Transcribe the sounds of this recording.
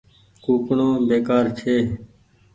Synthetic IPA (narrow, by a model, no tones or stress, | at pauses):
kuːkɳõːbeːkaːɾt͡ʃʰeː